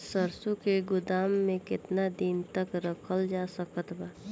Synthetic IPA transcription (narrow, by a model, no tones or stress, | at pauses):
səɾsukeɡʊd̪aːmːẽkɪt̪nad̪int̪əkɾəkʰəld͡ʒasəkət̪baː